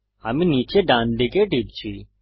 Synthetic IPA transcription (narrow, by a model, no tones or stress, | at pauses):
aːmĩniːt͡ʃeɖãːnd̪ekeʈiːpt͡ʃʰiː